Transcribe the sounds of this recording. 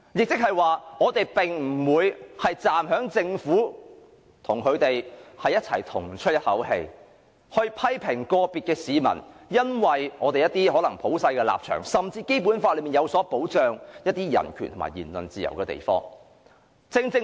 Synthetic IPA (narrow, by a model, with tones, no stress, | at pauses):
jɪ˨k̚t͡sɪ˥k̚hɐ˨jwaː˨ŋɔː˨˧t̪e˨jpɪ˨ŋm̩˨˩wuː˨˧jhɐ˨jt͡saː˨mɦœː˨˥ŋt͡sɪ˧ŋfuː˨˥ | t̪ʰʊ˨˩ŋkʰɵ˨˧ɥt̪e˨jhɐ˨jɐ˥t̚t͡sʰɐ˨˩jt̪ʰʊ˨˩ŋt͡ʃʰɵ˥t̚jɐ˥t̚hɐ˨˥whḛ˧j | hɵ˧ɥpʰɐ˥jpʰɪ˨˩ŋkɔː˧piː˨t̚kɛː˧siː˨˧mɐ̰˨˩njɐ˥nwɐ˨jŋɔː˨˧t̪e˨jɐ˥t̪iː˥ɦɔ˨˥lɐ˨˩ŋpʰo˨˥wsɐ˧jkɛː˧la̰ː˨p̚t͡ʃʰœ̰ː˨˩ŋsɐ˨mt͡siː˧ke˥jpuː˨˥nfaː˧lɵ˨˧miː˨njɐ˨˧wsɔː˨˥po˨˥wt͡ʃœː˨ŋjɐ˥t̚t̪ːiː˥jɐ̰˨˩nkʰyː˨˩nt̪ʰʊ˨˩ma̰ː˨˩jiː˨˩nlɵ̰˨nt͡siː˨jɐ̰˨˩wkɛː˧t̪ḛ˨jfɔ̰ː˥ŋ | t͡sɪ˧ŋt͡sɪ˧